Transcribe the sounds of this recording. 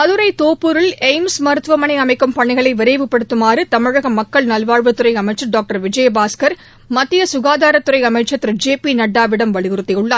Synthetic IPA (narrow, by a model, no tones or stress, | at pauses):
ɐðɯɾɐɪt̪oːpːɯɾɪlɛɪmsmɐɾɯt̪ʋɐmɐɳɪɐmɐɪkːɯmpɐɳːɪɣɐɭɐɪʋɪɾɐɪʋɯpːɐɽɯt̪ːɯmaːrɯt̪ɐmɪɻɐɣɐmɐkːɐɭnɐlʋaːɻʋɐt̪ːɯɾɐɪɐmɐɪt͡ʃːɐɖoːk̚ʈɐɾʋɪd͡ʒɐjbaːskɐɾ | mɐt̪ːɪjɐsʊɣaːðaːɾɐt̪ːɯɾɐɪɐmɐɪt͡ʃːɐt̪ːɪɾɯd͡ʒeːpinɐɖːaːʋɪɽɐmʋɐɭɪɣɯɾɯt̪ːɪjʊɭːaː